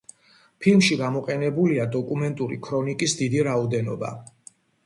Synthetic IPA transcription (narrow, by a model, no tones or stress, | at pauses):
pʰilˠmʃiɡamɔqʼɛnɛbuliad̪ɔkʼumɛnt̪ʼuɾḭkʰɾɔnikʼisd̪id̪iɾaɔd̪ɛnɔ̰ba̰